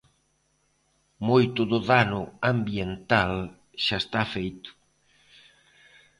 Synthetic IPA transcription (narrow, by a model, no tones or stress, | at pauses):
mojt̪ʊðʊðanʊambjent̪al | ʃaest̪afejt̪ʊ̥